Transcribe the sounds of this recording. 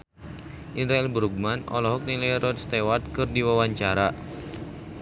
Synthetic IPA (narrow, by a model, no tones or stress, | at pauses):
ʔidɾaɛlbəɾuɡ̚manʔɔ̰lɔɦɔk̚nilajɾɔdst̪ewat̪̚kɨrdiwawaɲt͡ʃaɾa